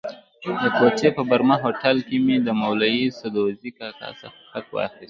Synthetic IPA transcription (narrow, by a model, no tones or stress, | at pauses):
d̪əkot͡ʃepəbaɾmaɦoʈalkimid̪əmawlajisad̪ozikaka̰sa̰fxak̪wɑ̰xist̪